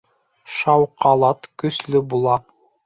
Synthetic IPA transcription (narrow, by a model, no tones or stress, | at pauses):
ʃɑwqɑlˠɑt̪kɵ̆slɵbulˠɑ